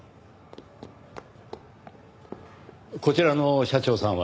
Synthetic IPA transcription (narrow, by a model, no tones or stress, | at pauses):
ko̞t͡ɕiɾano̞ɕat͡ɕo̞ːsãɰ̃βa